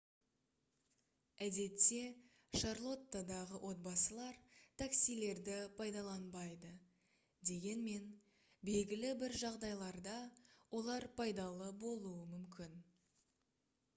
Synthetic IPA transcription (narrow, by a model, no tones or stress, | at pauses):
æd̪e̞t̪ːe̞ | ʃɑɾlˠo̞t̪ːad̪ɑʁəwʔo̞t̪̚bɑsəlˠɑɾt̪ʰaksijle̞ɾd̪ɪpʰɑjd̪ɑlˠɑnbɑjd̪ə | d̪e̞ɡʲe̞nme̞n | be̞lɡʲɪlɪbɪɾʒɑʁd̪ɑjlˠɑɾd̪ɑwʔo̞lˠɑɾpʰɑjd̪ɑlˠəbo̞lˠuəmʏmkʲɪn